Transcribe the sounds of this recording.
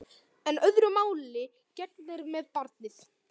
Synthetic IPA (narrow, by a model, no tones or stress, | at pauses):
ɛnœðɾʏmaːwlɪ | cɛt̪ðɪɾmɛðpaɾt̪nɪθ